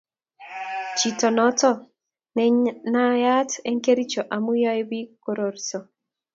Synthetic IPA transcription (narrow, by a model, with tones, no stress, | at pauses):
t͡ʃi˨tɔ˨nɔ˦tɔ˦ | nɛ˨ɲna˦ja˦te˦ŋke˦ɾi˦t͡ʃo˨ʔa˨mu˦jɔ˦jbi˦ko˦ɾo˨ɾso˨